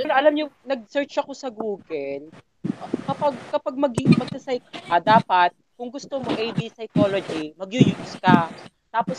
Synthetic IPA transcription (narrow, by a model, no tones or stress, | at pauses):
ɐnɐʔɐlamɲonɐɡ̚sɛɹt͡ʃɐko̞sɐɡuːɡɛl | kɐpɐɡ̚kɐpaɡ̚mɐɡɪmɐɡ̚sɐsɐjkɐd̪aːpɐt̪̚kʊŋɡʊst̪omoʔɛjbisɐjkoːlod͡ʒimɐɡjʊjʊskɐ | t̪aːpos